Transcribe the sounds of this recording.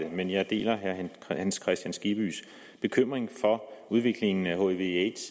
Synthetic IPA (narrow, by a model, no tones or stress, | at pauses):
emenjɑ̈ɪd̥e̝̰ːlɐɦæɐhænskʰʁɛsd̥jænsɡ̥ib̥y̰s | b̥e̝kʰøm̰ʁeŋfɒ̽uð̞ˠʋe̝ɡ̥le̝ŋn̩æho̝eʋee̥s